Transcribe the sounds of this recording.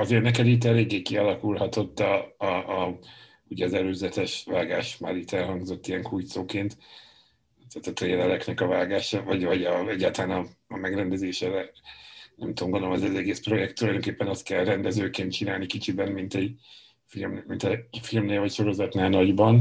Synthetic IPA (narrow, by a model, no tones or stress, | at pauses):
ɒzeːrnɛkɛd̪it̪̬ːɛɾeːɡikiɒlɒkulɦɒt̪o̞t̪ːɒ | uɟɛɒzɛløːzɛt̪ɛʃvaːɡaːʃmaːɾit̪ːɛlɦɒŋɡzo̞t̪ːijɛŋkujt̪soːkeːnt̪ | t̪at̪ːɒt̪reːlɛlɛknɛkɒvaːɡaːʃɒvɒɟvɒɟɒɛɟːaːt̪ɒlaːnɒmɛɡrɛnd̪ɛzeːʃɛɾɛ | nɛmt̪uoŋɡonoomɛzɛzɛɡeːspro̞jɛk̚t̪ːulɒjd̪oŋkeːpːɛnɒst̪kɛlrɛnd̪ɛzøːkeːnt̪̚t͡ʃinaːlnikit͡ʃibɛmmint̪ɛɟ | filmmint̪ɛfilmneːlvɒcʃo̞ɾo̞zɒt̪naːlnɒɟbɒn